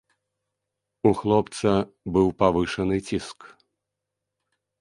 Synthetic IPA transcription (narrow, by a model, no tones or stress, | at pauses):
uxlˠɔpt̪sɐ | bɨwpavɨʂɐnɨt͡sʲisk